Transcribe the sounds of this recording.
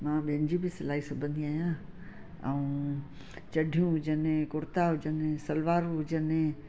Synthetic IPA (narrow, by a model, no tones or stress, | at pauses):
mãːɓɪɦə̃ɲd͡ʑibɪsɪlaːisʊbʱə̃nd̪ʱiaːɦjã | ɛũ | t͡ɕɐɖʱijũɦʊd͡ʑənẽkʊɾt̪aɦʊd͡ʑənẽsɐlʋaːɾɦʊd͡ʑənẽ